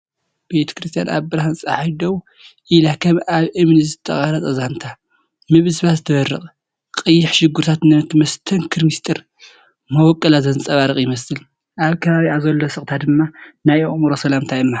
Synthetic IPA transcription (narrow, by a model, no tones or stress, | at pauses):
b̥e̞t̪ʰɐ̥kɾɨst̪ʰijanʔa̰βbɨɾahɨnt͡sʼaħajd̪ɐw | ʔilakʰɐmʔaβʔɨmnɨzɨt̪ʰːɐχʼaɾɐt͡sʼɐzant̪ʰa | mɨβɨzβazɨt̪ʰɐβɐɾːɨχʼ | qʼɨjːɪħʃɪɡːuɾt̪ʰat̪nɨt̪ʰmɐst̪ʰɐnkʰɨɾmist̪ʼɨɾ | mɐwɔkʼːɐlazɐnɨt͡sʼɐβaɾɨχʼjɪmɐsɨl | ʔaβkʰɐβaβiazɐlːosɨχʼt̪ʰad̪ɨmːanajomɾosɐlamt̪ʰajɨmːa